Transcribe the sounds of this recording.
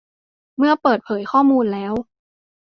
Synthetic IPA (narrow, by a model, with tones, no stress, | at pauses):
mɯ˥˩ɐpɤː˨˩t̪̚pʰɤː˩˦jkʰɔː˥˩muː˧nlɛː˦˥w